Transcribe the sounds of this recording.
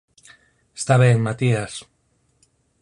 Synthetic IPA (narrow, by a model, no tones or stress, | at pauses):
est̪aβenmat̪ias